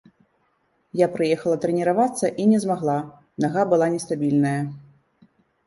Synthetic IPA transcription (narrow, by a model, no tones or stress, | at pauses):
japɾɨjɛxɐlˠɐt̪ɾɛnʲiɾavat̪sːɐʔinʲɛzmaɣlˠa | naɣabɨlˠanʲɛst̪abʲilʲnɐjɐ